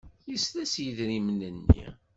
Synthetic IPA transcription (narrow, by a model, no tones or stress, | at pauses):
jəslæsjəðɾimnənːḭ